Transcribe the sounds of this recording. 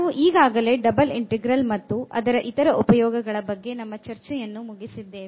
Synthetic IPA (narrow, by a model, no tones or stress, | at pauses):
ʋuʔiːɡaːɡɐle̞ːɖɐbɐliɳʈɛɡɾɐlmɐt̪ːuʔɐ̰d̪ɐɾɐʔit̪ɐɾɐʔupɐjɔːɡɐɡɐɭɐbɐɡːe̞nɐmːɐt͡ʃɐɾt͡ʃɛjɐnːumuɡisid̪ːeː